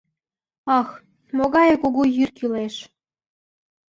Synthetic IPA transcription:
ɑx | moɣɑjɤkuɣujyrkileʃ

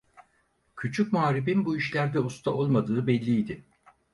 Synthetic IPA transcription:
cʰyt͡ʃʰycmuaːɾibinbuiʃlʲæɾd̪ɛust̪ʰaʔo̞lˠmad̪ɯːbɛlʲːijd̪ɪ

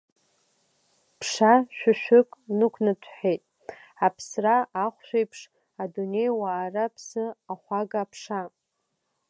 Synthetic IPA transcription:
pʰʂaʃᶣʊʃᶣʏkʼnɨkʷʰnɨtʰħejtʼ | apʰsraaχʷʃᶣejpʰʂ | adune̞jwaːrapʰsɨaχʷaɡapʰʂa

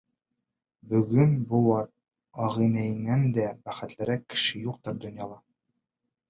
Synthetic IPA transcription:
bɵ̆ɡɵnbuwɑt̪̚ | ɒʁĭnæjɘ̆nːænd̪æbæχɘ̆t̪lɘ̆ɾækːɘ̥̆ʃɘjuq̚t̪ɤ̆ɾd̪ŏnjɑlˠɑ

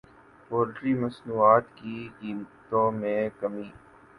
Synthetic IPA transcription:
poːlʈɾiːmɐsnuːaːt̪kiɡiːnt̪õmẽkɐmiː

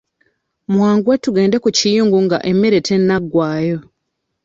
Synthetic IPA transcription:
mwaːŋɡwatuɡe̞ːndekucijuːŋɡuŋɡa̰ʔe̞mːe̞ɾe̞tʰe̞nːaɡːwaːjo̞

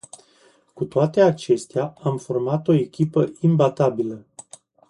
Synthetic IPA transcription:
kut̪oat̪e̞at͡ʃe̞st̪eaamformat̪o̞e̞kʲipəimbat̪abilə

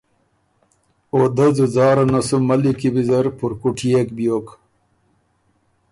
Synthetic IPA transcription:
oːd̪ɐzuzɑːɾɐnɐsumɐlikibizɐɾpuɾkuʈʰijekbjoːk

